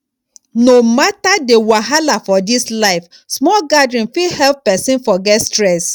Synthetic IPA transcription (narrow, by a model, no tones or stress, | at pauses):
nomatadewaɦalafɔdislaɪf | smɔlɡadɹĩnfilhɛlp̚pɛsĩnfɔɡɛtstɹɛs